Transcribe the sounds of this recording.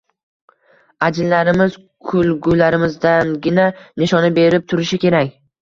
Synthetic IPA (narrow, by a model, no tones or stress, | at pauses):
ad͡ʒɪlːaɾɪmɪz̥ | kʰʊlɡʊlaɾɪmɪzd̪anɡʲɪnanɪʃɒnɪbe̞ɾɪp̚t̪ʰʊɾɪʃɪkʲe̞ɾakʲ